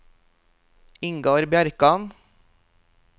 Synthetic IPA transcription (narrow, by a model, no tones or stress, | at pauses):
ɪŋɡoːɾbjæɾkɑn